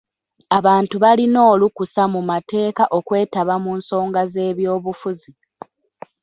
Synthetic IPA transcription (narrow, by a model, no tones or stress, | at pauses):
aβaːntuβalino̞ːlukusamumate̞ːkaʔo̞kwe̞ːtaβamuːnso̞ːŋɡaze̞ːβjo̞ːβufuzi